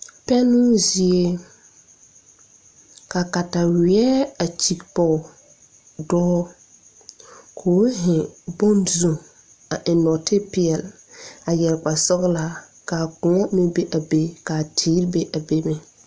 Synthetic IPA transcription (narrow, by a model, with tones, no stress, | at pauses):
pɛ˦nʊ˦zi˨e˦ | ka˨ka˨ta˨wɪ˨ɛ˦a˨t͡ʃi˨kpɔ˨ | dɔː˦ | kʰoː˨˦ɦɪ̃˨bɔ˦nzu˨ | a˨ʔɪ˨nɔ˨tɪ˦pɪ˨ɛ˨l | a˨jɛ˨lk͡pa˨sɔ˦ɣla˦ | ka˨kʊ̃˨ŋɔ˦mɪ̃˦be˦ʔa˨be˦ka˨tʰiː˨˦ɾbe˦ʔa˨be˦mɛ˨